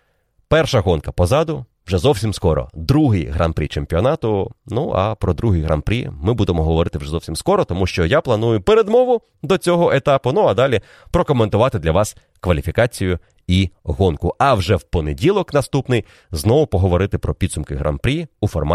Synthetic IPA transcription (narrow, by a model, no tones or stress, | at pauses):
pɛrʃɐɦɔnkɐpɔzɑd̪ʊ | ʋʒɛzɔwsʲimskɔɾɔ̰d̪ɾuɦɪjɦɾa̰npɾʲḭt͡ʃemʲpʲiɔnɑt̪ʊnuɐ̰pɾɔd̪ɾuɦɪjɦɾɐ̰npɾʲḭmɪbud̪emɔɦɔʋɔɾɪt̪ɪwʐɛzɔwsʲimskɔɾɔt̪ɔmuʃt͡ʃɔjaplˠɐn̪ujʊpeɾed̪mɔʋʊ | d̪ɔt͡sʲɔɦɔʔet̪ɑpʊnuɐd̪ɑlʲi | pɾɔkɔment̪ʊʋɑt̪ɪd̪lʲɐʋɑs | kʋɐlʲifʲikɑt͡sʲijʊ | iɦɔnkʊʔɐwʒɛwpɔnedʲilˠɔknɐst̪upnɪj | znɔʋʊpɔɦɔʋɔɾɪt̪ɪpɾɔpʲid̪sʊmkɪɦɾʔa̰npɾʲiufɔrmɑ